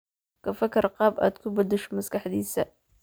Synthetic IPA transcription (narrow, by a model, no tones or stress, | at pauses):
kʰɐfɐkʰɐrqɑːba̰ːd̪kʰʊbɐd̪ɛʃɔ̥mɐskʰɑħd̪iːsɐ